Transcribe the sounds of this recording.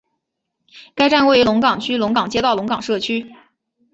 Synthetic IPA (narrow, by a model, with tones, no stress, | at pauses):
ka˥ɪʈ͡ʂa˥˧nwe˥˩ɪy˥lʊ˧˥ŋkɑ˨˩ŋt͡ɕʰy˥lʊ˧˥ŋkɑ˨˩ŋt͡ɕjɛ˥t̪ɑ˥˩ʊlʊ˧˥ŋkɑ˨˩ŋʂɤ˥˩t͡ɕʰy˥